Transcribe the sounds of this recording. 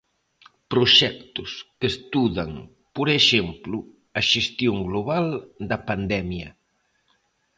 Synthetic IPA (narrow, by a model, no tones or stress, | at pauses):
pɾoʃɛkt̪ʊskest̪uðɐŋ | poɾeʃemplʊ | ɐʃest̪joŋɡloβald̪ɐpand̪ɛmjɐ̰